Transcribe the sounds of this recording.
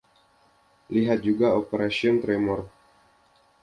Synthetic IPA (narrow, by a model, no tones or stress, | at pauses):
liɦat̪̚d͡ʒuɡaopeɾasiɔnt̪ɾemɔr